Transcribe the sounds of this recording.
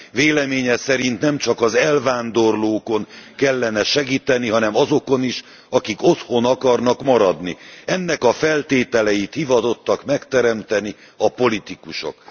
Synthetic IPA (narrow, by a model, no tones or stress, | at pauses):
veːlɛmeːɲɛsɛɾint̪nɛmt͡ʃɒkɒzɛlvaːnd̪o̞rloːko̞nkɛlːɛnɛʃɛɡiːt̪ɛniɦɒnɛmɒzo̞ko̞niʃ | ɒkikot̪ho̞nɒkɒrnɒkmɒɾɒd̪niɛnːɛkɒfɛlt̪eːt̪ɛlɛjit̪hivɒt̪o̞t̪ːɒkmɛkt̪ɛɾɛmt̪ɛni | ɒpo̞lit̪ikuʃo̰k